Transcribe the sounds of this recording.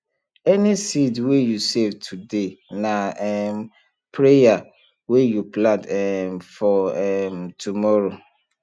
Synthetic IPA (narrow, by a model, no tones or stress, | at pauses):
ɛnisidwejusevtʰudenaɛm | pʰɾeja | wejuplãndɛmfɔɛmtʰumɔɾo